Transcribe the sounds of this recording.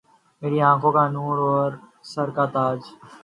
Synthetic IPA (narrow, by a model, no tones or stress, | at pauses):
meːɾiãːkʰõkanuːɾɔːɾ | sɐɾkat̪aːd͡ʒ